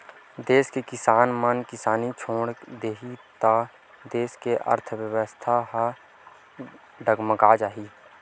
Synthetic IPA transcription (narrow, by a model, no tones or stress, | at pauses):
d̪eːskekɪsaːnmənkɪsaːnit͡ʃʰoːɽd̪eːɦit̪a | d̪eːskeʔə̰ɾt̪ʰəwjəwəst̪ʰaɦ | ɖəɡməkad͡ʒaːɦiː